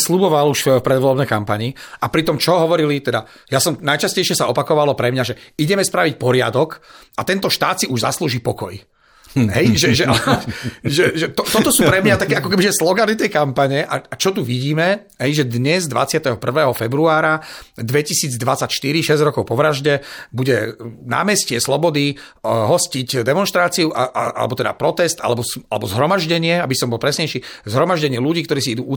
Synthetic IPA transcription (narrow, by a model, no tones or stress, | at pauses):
slubɔʋaluʃffpɾɛd̪ʋɔlɔbnɛjkampaɲiʔapɾit̪ɔmt͡ʃɔɦɔʋɔɾilit̪ɛd̪a | jasɔmnajt͡ʃascɛjʃɪɛsaɔpakɔʋalɔpɾɛmɲaʒɛiɟɛmɛspɾaʋicpɔɾɪa̰d̪ɔk | at̪ɛnt̪ɔʃt̪aːt̪siʔuʒza̰sluːʒipɔkɔj | ɦɛjʒɛʒɛal | ʒɛʒɛt̪ɔt̪ɔt̪ɔsuːpɾɛmɲat̪akɛːakɔkɛbiʒɛslɔɡanit̪ɛjkampaɲɛʔa̰at͡ʃɔt̪uʋiɟiːmɛ | ɦɛjʒɛd̪ɲɛzd̪ʋa̰t͡sɪat̪ɛɦɔpr̩ʋɛːɦɔfɛbɾuaːɾad̪ʋɛcisiːd͡zd̪ʋat͡sacʃt̪iɾiʃɛzɟɾɔkɔʊpɔʋɾaʒɟɛbuɟɛna̰ːmɛscɪɛslɔbɔd̪iɦɔscicd̪ɛmɔnʃt̪ɾaːt͡siuʔaʔaʔa̰lɛ̰bɔt̪ɛd̪a̰pɾɔt̪ɛst̪ʔa̰lɛbɔsa̰lɛ̰bɔzɦɾɔmaʒɟɛɲɪɛabisɔmbɔlpɾɛsɲɛjʃiːzɦɾɔmaʒɟɛɲɪɛluɟiːkt̪ɔɾiːsiid̪uːu